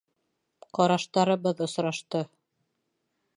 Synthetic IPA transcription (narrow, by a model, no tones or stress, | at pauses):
qɒɾɑʃt̪ɑɾɤ̆βɤðŏsɾɑʃt̪ɤ